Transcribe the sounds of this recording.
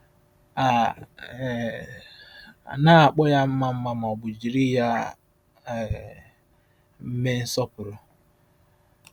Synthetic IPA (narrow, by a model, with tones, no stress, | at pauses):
a˨ | na˦a˨k͡pɔ˦ja˦m̩˦ma˦m̩˦ma˦m˨ɔ˨ɡ͡bʊ˨d͡ʒi˨ɾi˦ja˦˨ | m̩˦me˦n̩˦sɔ˦pʊ˨ɾʊ˨